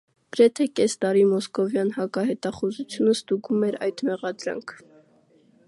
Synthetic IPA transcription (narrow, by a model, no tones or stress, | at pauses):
ɡ̥əɾɛt̪ʰɛkɛst̪ɑɾimɔskɔvjɑnhɑkɑhɛt̪ɑχuzut͡sʰjunəst̪uɡumɛɾɑ̰jd̪mɛʁɑd̪ɾɑ̰ŋkʰ